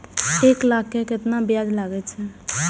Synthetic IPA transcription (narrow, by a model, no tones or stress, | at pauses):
eklakːekɪt̪nabjad͡ʒlaɡɛt͡ʃʰɛ